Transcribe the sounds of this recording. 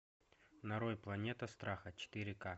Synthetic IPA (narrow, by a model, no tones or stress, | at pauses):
nɐɾojplˠɐnʲet̪əst̪ɾʔaxət͡ɕɪ̥t̪ɪɾʲɪka